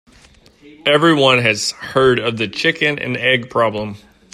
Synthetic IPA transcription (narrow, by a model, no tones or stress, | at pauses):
ɛvɹiwʌ̃nɨz̥hɜ˞ɾʌvðɨt͡ʃʰɪkɨ̃nɨ̰̃nɛɡ̚pʰɹ̥ɑblə̃m